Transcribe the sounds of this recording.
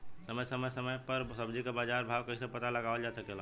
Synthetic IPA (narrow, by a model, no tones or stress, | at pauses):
səməjsəməjsəməjpəɾsəbd͡ʒikebad͡ʒaɾbʱabkəisẽpət̪aləɡabəld͡ʒasəkel